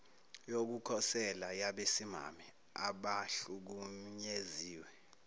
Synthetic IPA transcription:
jok̬ukʰɔsɛlajaɓesima̰mɛ | aɓaɬuk̬umɲeziːwɛ

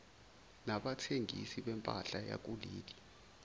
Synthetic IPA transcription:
naɓatʰeŋisiɓɛmpʼaɬaja̰k̬ʼuliːli

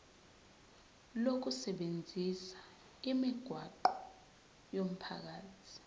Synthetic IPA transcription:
lok̬usɛɓend͡zʱisḁ | imiɡ̥ʱwaǃɔ | jom̩pʰa̰k̬aːtʰi̥

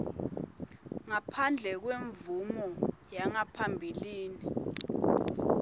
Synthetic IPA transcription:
ŋapʰand͡ɮʱɛk̬weɱvumɔjaŋapʰambʱiliːni

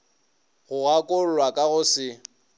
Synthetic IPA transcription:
ɣʊɣakʼʊl̩lwakʼaɣʊsɪ

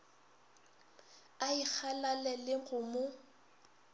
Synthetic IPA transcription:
aik͡xʰalalɛlɪɣʊmʊ

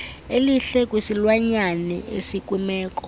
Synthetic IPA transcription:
eliɬɛkʼwisilwaɲanɛ̰ḛsikʼwumɛːk̬ʼɔ̥

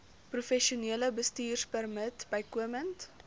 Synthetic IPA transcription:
prufɛʃiuniələbəstiːrspərmətbəjkuəmənt

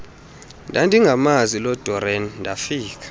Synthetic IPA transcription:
ndʱandʱiŋɡʱamazilɔd̥ʱɔɾɛnndʱafiːk̬ʰḁ

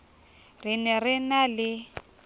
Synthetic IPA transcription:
r̤inɛrɪnalɪ

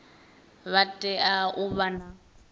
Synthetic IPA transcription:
βatʼɛaʊβana

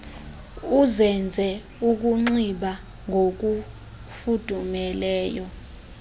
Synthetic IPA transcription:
uzɛnd͡zʱɛ | uk̬uŋ͡ǀiɓa | ŋʱok̬u | fud̥ʱumɛlɛːjɔ

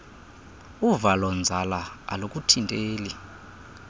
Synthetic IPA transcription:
uvalɔnd͡zʱalaa̰lokʼutʰintʼeːli

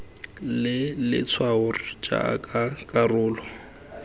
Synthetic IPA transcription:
lɪlɪ̰t͡sʰwaʊrit͡ʃʼa̰a̰kʼakʼarʊːlɔ

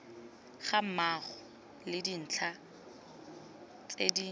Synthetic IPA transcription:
χam̩maχɔ | lɪdin̩ːt͡ɬʰa | t͡sʼedi

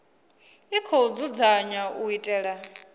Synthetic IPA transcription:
ikʰɔud͡zud͡zaɲaʔuitʼɛːɺa

